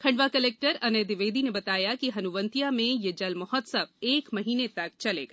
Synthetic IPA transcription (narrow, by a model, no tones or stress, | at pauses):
kʰɐ̃ɳɖʋakɐleːk̚ʈəɾɐneːd̪ɪʋeːd̪inebɐt̪aːjakiɦɐnuʋə̃nt̪ijamẽjed͡ʒɐlmɔɦɔt̪sɐbeːkmɐɦiːnet̪ɐk̚t͡ʃɐlḛːɡa